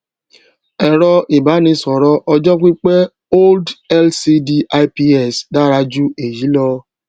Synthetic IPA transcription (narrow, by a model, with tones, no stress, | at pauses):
ɛ˨ɾɔ˧ʔi˨ba˨˦nĩ˧sɔ˨ɾɔ˦ʔɔ˧d͡ʒɔ˦k͡pi˦k͡pe˦ | o˦ldɛ˦lsi˧di˧a˧jpi˧ɛ˦˨sda˦ɾa˧d͡ʒu˦e˨ji˨˦lɔ˧